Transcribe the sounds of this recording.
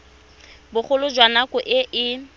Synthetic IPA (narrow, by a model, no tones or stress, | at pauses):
bʊχʊlʊd͡ʒwanakʼʊʔɪʔɪ